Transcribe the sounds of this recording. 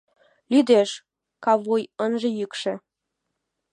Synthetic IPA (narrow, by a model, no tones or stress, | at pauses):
lyd̪eʃ | kɑβujənʒĕjykʃĕ